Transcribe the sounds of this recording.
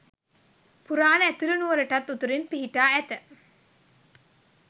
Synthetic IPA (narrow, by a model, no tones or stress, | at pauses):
puɾaːnəæt̪ulunuʋəɾəʈat̪ːut̪uɾinpiɦiʈaːæt̪ə